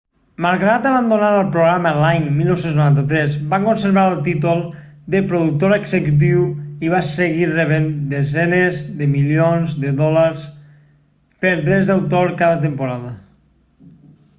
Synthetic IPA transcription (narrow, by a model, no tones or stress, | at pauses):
malˠɣɾat̪əβand̪onaɾəlˠpɾuɣɾaməlaɲmilˠnowsenznuɾant̪ət̪ɾɛzbaŋkonseɾβaɾəlˠt̪̬it̪ulˠ | d̪əpɾoðuk̚t̪oɾeɡzəkut̪̬iwiβasəɣireβend̪ezɛnezðəmilionzd̪əðɔlaɾs | pəɾd̪ɾɛzd̪awt̪oɾkaðət̪̬empuɾaðə